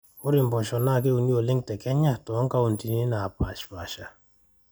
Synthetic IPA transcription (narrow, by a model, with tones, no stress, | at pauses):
ʊ˦ɾɪ˨mbɔ˨ʃɔ˨na˦˨ke˦u˨ni˦o˨lɪ˦ŋtɛ˨kɛ˦ɲa˦tɔ˨ɔ˦ŋka˦u˨nti˨ni˦na˨pa˨ʃpa˨ʃa˨